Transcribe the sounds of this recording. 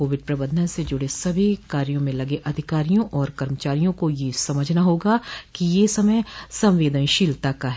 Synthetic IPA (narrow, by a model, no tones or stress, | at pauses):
oːʋɪɖ̚pɾɐbə̃d̪ʱə̃sed͡ʒʊɽesɐbʱikaːɾjõmẽlɐɡeʔɐd̪ʱɪkaːɾijõʔɔːɾkɐɾmət͡ʃaːɾijõkojesɐməd͡ʒʱnaɦoːɡakijesɐməjsɐ̃mʋeːd̪ə̃nʃiːlt̪akaɦ